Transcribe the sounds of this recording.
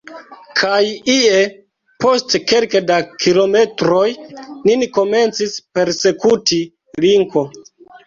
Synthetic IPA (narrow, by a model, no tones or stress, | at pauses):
kʰajie | po̞stke̞lkedakʰilo̞me̞tɾo̞jniniko̞me̞nt͡sispe̞ɾse̞kuti | liŋko̞